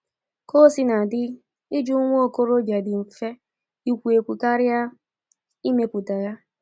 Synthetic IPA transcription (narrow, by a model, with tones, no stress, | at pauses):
ko˦si˦na˨dɪ˦ | ɪ˦d͡ʒu˦ŋʷ˦o˨ko˦ɾo˦bja˨dɪ˨m̩˨fe˦ | i˨kʷu˨e˨kʷu˨ka˦ɾɪ˦a˦ | i˦me˦pu˨ta˨ja˦